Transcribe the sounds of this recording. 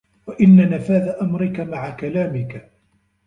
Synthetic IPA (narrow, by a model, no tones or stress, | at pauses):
waʔɪnːanafaːðaʔamɾɪkamaʕakalaːmɪka